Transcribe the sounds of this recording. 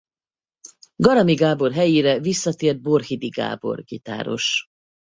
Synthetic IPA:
ɡɒɾɒmiɡaːbo̞rɦɛjiɾɛvisːɒt̪eːrd̪̚bo̞rhid̪iɡa̰ːbo̞̰rɡit̪a̰ːɾo̞̰ʃ

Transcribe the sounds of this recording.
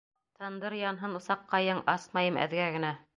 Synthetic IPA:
t̪ɤ̆nd̪ɤɾjɑnɦɤnŭsɑqːɑjɤɴɑsmɑjɤmæ̰ðɡæɡɘ̆næ

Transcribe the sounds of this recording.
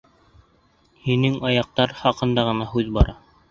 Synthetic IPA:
hinɘŋɑjɑq̚t̪ɑɾχɑqɤ̆nd̪ɑʁɤ̆nɑɦʉðbɑɾɑ

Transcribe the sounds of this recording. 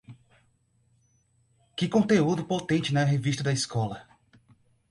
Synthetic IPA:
kɪkõnt̪eud̪ʊpot̪ẽnt͡ʃɪnɐɦevist̪ɐd̪ɐiskɔlɐ

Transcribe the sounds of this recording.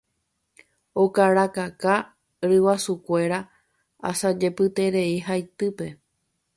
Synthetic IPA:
o̞kaɾakaka | ɾɨwasukʷe̞ɾa | a̰sad͡ʒe̞pɨt̪e̞ɾe̞iɦajt̪ɨpe̞

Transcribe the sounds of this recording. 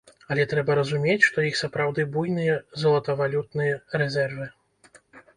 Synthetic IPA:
ɐlʲɛt̪ɾɛbɐɾɐzumʲet͡sʲʂt̪ɔjixsɐpɾawd̪ɨbujnɨjɐzɐlˠɐt̪ɐvalʲut̪nɨjɐrɛzʲɛrvɨ

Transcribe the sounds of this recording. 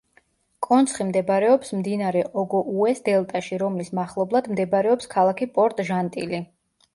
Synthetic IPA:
kʼɔnt̪sʰχimd̪ɛbaɾɛɔpsmd̪inaɾɛʔɔɡɔʔuɛsd̪ɛlˠt̪ʼaʃiɾɔmlismaχlˠɔblˠad̪md̪ɛbɾɛɔpskʰalˠakʰipʼɔɾt̪ʼʒant̪ʼḭli

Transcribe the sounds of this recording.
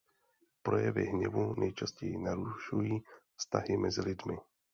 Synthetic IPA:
pɾo̞jɛvɪ̰ɦɲɛvunʔɛjt͡ʃascɛjɪnaɾuʃujiːfst̪a̰ɦɪmʔɛzɪlɪdmɪ

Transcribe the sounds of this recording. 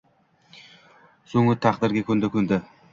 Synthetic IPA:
soŋɪt̪ʰaqd̪ɪɾɡʲakʰʲɵnd̪ɪkʰʲɵnd̪ɪ

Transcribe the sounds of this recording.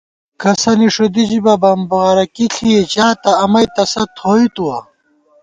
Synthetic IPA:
kɐsɐniʂod̪id͡ʑibɐbɐmbɐʁɐɾɐkiɬʰijet͡ɕaːt̪ɐɐmɐjt̪ɐsɐt̪ʰoːit̪uwɐ

